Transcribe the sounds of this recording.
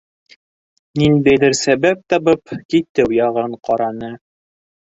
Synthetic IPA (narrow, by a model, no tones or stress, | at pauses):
nind̪æjðɘɾsæbæp̚t̪ɑβɤpkit̪ɘwjɑʁɤɴqɑɾɑnɤ